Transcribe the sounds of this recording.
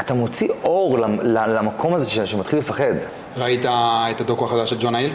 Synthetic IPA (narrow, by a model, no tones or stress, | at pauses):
at̪amot͡siʔoʁlalalamakʰo̞mazeʃeʃemat̪χilefaχed̪ | ʁait̪aet̪ad̪okuaχadaʃeld͡ʒonail